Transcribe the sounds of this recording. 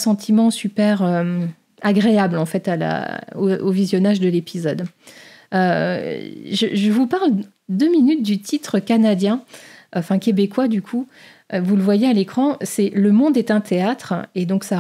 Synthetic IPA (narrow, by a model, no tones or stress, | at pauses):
sɑ̃t̪ʰimɑ̃sypɛʁø | aɡʁeablɑ̃fɛt̪ala̰o̰ovizjɔnaʒd̪əlepizɔd̪ | ø | ʒəʒəvupaʁl | d̪øminyt̪̚d̪yt̪ʰit̪χəkanad̪jɛ̃ɑ̃fɛ̃kʲebekwad̪ykʰu | vuləvwajealekχɑ̃sɛləmɔ̃d̪ɛt̪ɛ̃t̪ʰeat̪χed̪ɔ̃ksa